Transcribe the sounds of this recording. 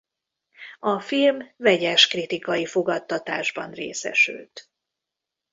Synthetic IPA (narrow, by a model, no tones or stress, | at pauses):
ɒfilmvɛɟɛʃkrit̪ikɒjifo̞ɡɒt̪ːɒt̪aːʒbɒnrḛːsɛ̰ʃy̰lt̪